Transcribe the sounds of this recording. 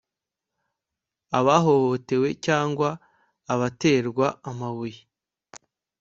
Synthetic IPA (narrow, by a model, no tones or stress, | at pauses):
aβaɦo̞ho̞te̞we̞caːŋɡwaː | βate̞ːɾɡwaamaβuji